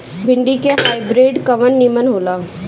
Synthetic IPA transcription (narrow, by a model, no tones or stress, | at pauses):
bʱɪɳɖikeɦaːɪbɾeːɖkɐʋənːimənɦoːlaː